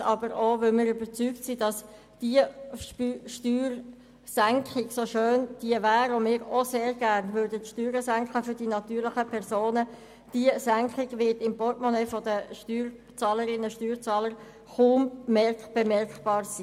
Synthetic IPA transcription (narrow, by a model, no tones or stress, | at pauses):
ɑbəɾovɵlmɪːɾʏbət͡syktsidɑs | d̥iəpːʃtyːr | sæŋkχɪɡsoʃøːnd̥iəvæːɾomɪːɾoseːɾɡæɾnvøːɾdətʃtyːɾəsæŋkχəfʏɾd̥inɑt̪yːɾlɪχəpʰɛʁzoːnə | d̥iəsæŋkχɪɡʋɪtɪmpɔtmɔnɛfɔdəʃtyːr | t͡sɑːləɾɪnəʃtyːɾt͡sɑːləɾ | χuːmmɛb̥ɛmɛɾkb̥ɑːɾsiː